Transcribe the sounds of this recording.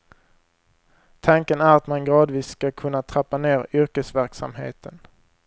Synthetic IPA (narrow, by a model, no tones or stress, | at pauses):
t̪ʰaŋkənæɾat̪manɡɾɑːd̪viːsːkakʰɵnːat̪ʰɾapːaneːɾʏɾkəsvæɾksa̰mhḛːt̪ʰən